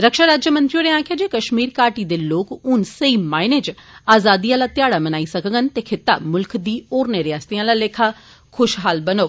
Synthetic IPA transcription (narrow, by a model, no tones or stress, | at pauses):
ɾəkʃaːɾaːd͡ʒjəmə̃nt̪ɾioːɾeãːkʰɪjaːd͡ʒeːkəʃmiːɾkaːɾʈiːd̪eːloːkʊnsəiːmaːɪneːd͡ʒaːzaːd̪ijãːlaːt̪ɪjaːɽaːmənaːisəkəɡənt̪eːkʰɪt̪ːa̰ːmʊlkd̪iːoːɾneːɾɪjaːst̪iãːlaːleːkʰaː | kʰʊʃɦaːlbənooː